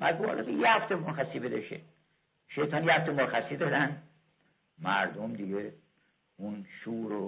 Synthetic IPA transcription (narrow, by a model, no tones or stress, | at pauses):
bæzɒ̰ːled̪ejehæft̪ʰemoɾxæsiːbed̪ɒʃḛ | ʃejt̪ʰɒːnjehæft̪emoxæsid̪ɒːd̪æn | mæɾd̪omd̪iɡe | unʃuːɾo